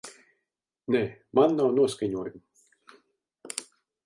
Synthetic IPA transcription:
nɛmanːawnuɔskaɲuɔjum

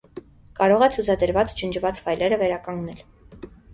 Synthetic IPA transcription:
kɑɾɔʁɛt͡sʰut͡sʰɑd̪əɾvɑt͡st͡ʃənt͡ʃʰvɑt͡svɑjlɛɾəvɛɾɑkɑŋɡnɛl

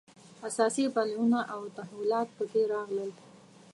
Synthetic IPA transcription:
asɑsipalunaʔawt̪aɦwilɑt̪̚pəkeɾɑɣləl

